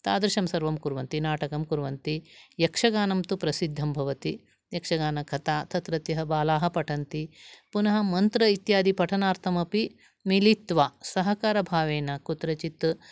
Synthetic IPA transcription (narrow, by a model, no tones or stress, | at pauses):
t̪a̰ːd̪ɾɐʃɐmsɐɾʋɐmkuɾʋɐnt̪inaːʈɐkɐmkuɾʋɐnt̪ijɐkʂɐɡaːnɐmt̪upɾɐsid̪ʱːɐmbʱɐʋɐt̪i | jɐkʂɐɡaːnɐkʰɐt̪aːt̪ʰɐt̪ɾɐt̪jɐɦɐbaːlaːɦɐ̆pɐʈʰɐnt̪ipunɐɦɐmɐnt̪ɾɐit̪jaːd̪ipɐʈʰɐnaːɾt̪ʰɐmɐpi | milit̪ʋaːsɐɦɐkaːɾɐbʱaːʋeːnɐkut̪ɾɐt͡ʃit̪